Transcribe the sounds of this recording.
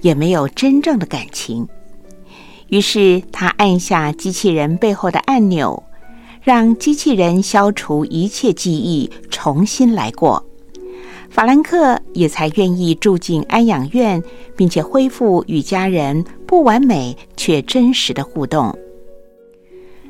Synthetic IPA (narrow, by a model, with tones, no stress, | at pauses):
jɛ˨˩me˧˥ɪjo˨˩ʊʈ͡ʂə˥nʈ͡ʂɤ˥˩ŋd̪ə˩ka˨˩nt͡ɕʰi˧˥ŋ | y˧˥ʂɻ̩˥˩t̪ʰa˥ʔa˥˧nɕja˥˩t͡ɕi˥t͡ɕʰi˥˩ɻə˧˥npe˥˧ɪxo˥˩ʊd̪ə̰˩ʔa˥˩nnjo̰˨˩ʊ | ɻɑ˥˧ŋt͡ɕi˥t͡ɕʰi˥˩ɻə˧˥nɕjɑ˥ʊʈ͡ʂʰu˧˥ʔi˧˥t͡ɕʰjɛ˥˧t͡ɕi˥˧i˥˩ʈ͡ʂʰʊ˧˥ŋɕi˥nla̰˧˥ɪkwɔ̰˥˩ | fa˨˩la˧˥nkʰɤ˥˩jɛ˨˩t͡sʰa˧˥ɪɥɛ˥˧ni˥˧ʈ͡ʂu˥˧t͡ɕi˥˧na˥njɑ˨˩ŋɥɛ˥˩npi˥˩ŋt͡ɕʰjɛ˨˩xwe˥ɪfu˥˩y˨˩t͡ɕja˥ɻə˧˥npu˥˩wa˧˥nme˨˩ɪt͡ɕʰɥɛ˥˩ʈ͡ʂə˥nʂɻ̩˧˥d̪ə˧xu˥˧t̪ʊ˥˩ŋ